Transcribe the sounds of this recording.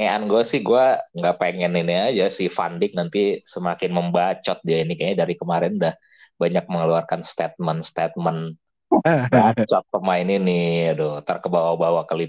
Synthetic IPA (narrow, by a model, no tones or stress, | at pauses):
ŋeʔanɡuasɪhɡuaŋɡapeŋɛniniad͡ʒasifa̰ndɪk̚nant̪isəmakɪnməmbat͡ʃɔt̪̚diainikaɲadaɾikəmaɾɛnudah | baɲak̚məŋəluarkanst̪ɛt̪̚mənst̪ɛt̪̚mən | t͡ʃɔt̪̚pəmaɪninɪadot̪arkəbawabawakali